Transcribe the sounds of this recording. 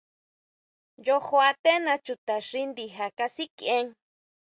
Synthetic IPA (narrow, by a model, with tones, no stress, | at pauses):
jo˧ho˧a˧t̪e˦nã˧t͡ʃu˨t̪a˨ʃɾi˦nd̪i˨ɦa˨ka˧si˦ke˦ŋ